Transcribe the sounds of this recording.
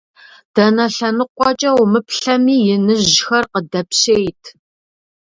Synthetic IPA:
d̥ɐnɐɬɐnɨqʷɑt͡ʃʼɐwmɨpʰɬɐmiːjɪnɨʑʒʑxɐrqədɐpɕeːjtʰ

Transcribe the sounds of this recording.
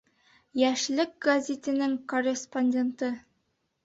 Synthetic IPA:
jæʃlɘk̚ɡɐzʲet̪ɘ̆nɘŋkorʲesponʲdʲe̞nt̪ɤ

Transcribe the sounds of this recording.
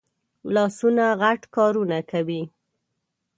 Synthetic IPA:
lɑsunaɣaʈkɑɾunakawi

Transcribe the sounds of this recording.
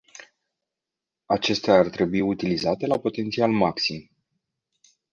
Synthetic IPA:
at͡ʃe̞st̪eaːrt̪ɾe̞buiut̪ilizat̪e̞lapo̞t̪e̞nt̪sialmaksim

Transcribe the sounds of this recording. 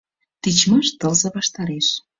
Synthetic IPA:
t̪it͡ɕmɤ̆ʃt̪ɤlzɤ̆βɑʃt̪ɑɾeʃ

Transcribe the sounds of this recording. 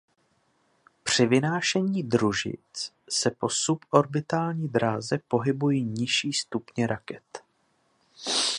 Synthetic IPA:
pr̝̥ɪvɪnaːʃɛɲiːd̪ɾuʒɪ̰t͡s | sɛpo̞supo̞ɾbɪt̪aːlɲiːdɾaːzɛpo̞ɦɪbujiːɲɪʃiːst̪upɲɛɾakɛt̪

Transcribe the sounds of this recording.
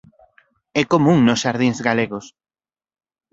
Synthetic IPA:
ɛkomuŋnosʃaɾðĩŋzɣaleɣos

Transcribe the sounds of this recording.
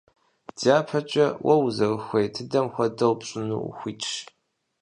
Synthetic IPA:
daːpʰɐt͡ʃʼɐwʔɐwzɐrxʷejtʰɨdɐmxʷɐdɐwpɕʼʊnṵxʷiːt͡ʃʼʃ

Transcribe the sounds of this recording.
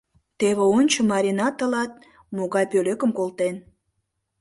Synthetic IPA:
t̪eβeonʲt͡ɕəmɑɾʲinɑt̪ːəlɑt̪̚ | moɣɑjpøløkəmkolt̪en

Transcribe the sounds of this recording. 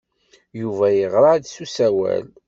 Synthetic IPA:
juvæjəʁɾˤɑʕd̪susæwæ̰l

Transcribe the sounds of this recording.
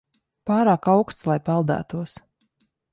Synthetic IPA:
paːɾaːkawkst̪slˠajpalˠd̪æ̰ːt̪uɔs

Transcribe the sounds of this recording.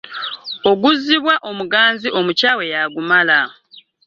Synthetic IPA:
o̞ɡuziβwaʔo̞muɡaːnziʔo̞mucaːwe̞jaɡumala

